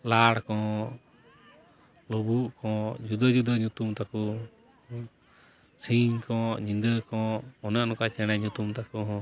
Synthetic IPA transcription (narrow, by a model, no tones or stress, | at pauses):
laɽkɔ̃ | lɔbuʔkʰɔ̃d͡ʒud̪əd͡ʒud̪əɲut̪umt̪aku | siɲkɔ̃ɲind̪əkɔ̃ɔnɔɔnɔkat͡ʃɛɽ̃ɛɲut̪umt̪akuɦ